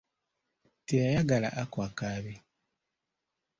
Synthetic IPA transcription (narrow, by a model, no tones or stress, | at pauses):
tejajaɡala̰ʔakwakaːβi